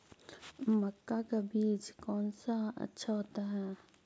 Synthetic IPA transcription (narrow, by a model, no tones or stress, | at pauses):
mɐkːakabiːd͡ʒkɔːnsaɐ̰tːʃʰaɦoːt̪aɦɛː